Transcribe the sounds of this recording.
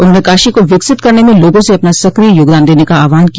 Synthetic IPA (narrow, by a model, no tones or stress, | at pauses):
ʊnɦõːnekaːʃikoʋɪksɪt̪kɐɾnemẽloːɡõseɐpnasɐkɾijoːɡd̪aːnd̪eːnekaaːʋaːnki